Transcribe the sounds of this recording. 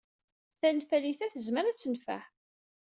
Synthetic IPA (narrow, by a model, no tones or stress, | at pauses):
θænfæliθæθəzməɾæt͡sːənfæ̰ħ